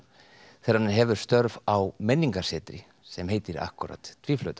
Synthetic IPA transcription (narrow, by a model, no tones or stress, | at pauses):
θɛɾanɦɛvʏɾ̥st̪œɾvawmɛnːiŋkḁsɛːt̪ɾɪ̰ | sɛmɦeːjt̪ɪɾa̰hkʏɾa̰t̪t̪ʰviːflœɥt̪a